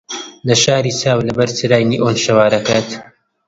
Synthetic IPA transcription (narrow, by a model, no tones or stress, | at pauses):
lɐʃaːɾiːsaːwlɐbɐɾt͡sɨɾaːjniʔoːnʃɐwaːɾɐkaːt̪